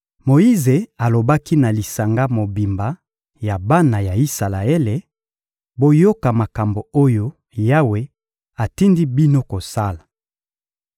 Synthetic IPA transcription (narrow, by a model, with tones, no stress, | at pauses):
mo˨i˦ze˨a˨lo˨ba˦ki˦na˨li˨sa˨ŋɡa˦mo˨bi˨mba˨ | ja˨ba˦na˨ja˨i˦sa˨la˨e˦le˨ | bo˦jo˦ka˨ma˨ka˨mbo˨o˦jo˦ | ja˦we˨ | a˨ti˦ndi˦bi˦no˦ko˨sa˦la˨